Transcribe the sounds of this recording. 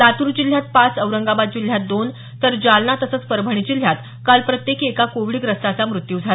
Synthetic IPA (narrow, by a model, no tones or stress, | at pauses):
at̪uɾud͡ʑil̤jat̪̚pat͡səʋɾəŋɡabad̪̚d͡ʑil̤jat̪̚d̪on | t̪əɾd͡ʑalnat̪əsət͡spəɾbʱəɳ̃it͡ɕil̤jat̪ | kalpɾət̪jekekakoʋiɭiɡɾəst̪at͡samɾut̪juːd͡zʱa